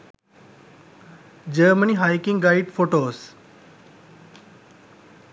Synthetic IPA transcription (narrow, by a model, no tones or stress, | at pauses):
d͡ʒəɾməniːɦaːjkɪ̃ŋɡɡaːɪɖfoːʈoːs